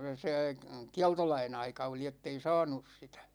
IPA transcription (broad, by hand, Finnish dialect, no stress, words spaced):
seˑ kiɑltolɑin ɑikɑ oli etːei sɑ̝ːnus sitæ̥